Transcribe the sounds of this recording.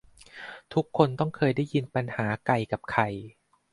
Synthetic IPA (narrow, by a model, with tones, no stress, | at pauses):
t̪ʰu˦˥kʰːo˧nt̪ɔ˥˩ŋkʰɤː˧jda˥˩ji˧npa˧nhaː˩˦ka˨˩jka˨˩p̚kʰa˨˧˩j